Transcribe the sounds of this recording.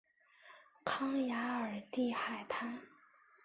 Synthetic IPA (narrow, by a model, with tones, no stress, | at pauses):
kʰɑ˥ŋja˧˥ə˞˨˩t̪i˥˧xa˨˩ɪt̪ʰa˥n